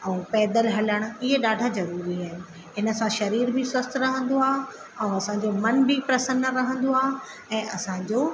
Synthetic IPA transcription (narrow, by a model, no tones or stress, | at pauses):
ɛ̃ːpɛːd̪əlɦɐləɽ̃̆ɪɦeɗaːɖʱazɐɾuːɾiaːɦɪnɪ̆ | ɪnə̆sãʃɐɾiːɾbʱiswɐst̪ʰɾɐɦə̃nd̪oaːɦ | ɛ̃ɐsãɲd͡ʑomɐnbʱipɾɐsənɾɐɦə̃nd̪oaːɦ | ɛ̃ːʔɐsãd͡ʑoː